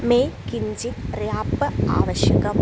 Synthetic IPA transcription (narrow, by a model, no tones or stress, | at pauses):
meːkiɲd͡ʑit̪rjaːpːɐa̰ːʋɐɕjɐkɐm